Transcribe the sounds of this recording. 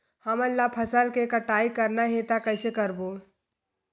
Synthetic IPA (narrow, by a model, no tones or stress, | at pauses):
həmənlːapʰɐsəlkekəʈaːikəɾnaɦet̪akəɪsekəɾboː